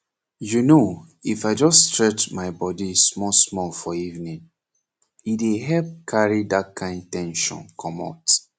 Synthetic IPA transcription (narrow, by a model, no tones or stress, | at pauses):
juno | ifaɪd͡ʒɔstɹɛt͡ʃmaɪbɔdismɔsmɔlfɔivnĩn | ideɦɛlp̚kʰaɹidat̚kʰãɪ̃ndtɛ̃nʃɔ̰̃nkʰɔmɔ̰t